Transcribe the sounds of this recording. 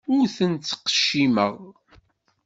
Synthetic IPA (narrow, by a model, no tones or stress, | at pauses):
ʊɾθənt̪ːqə̥ʃːiməʁ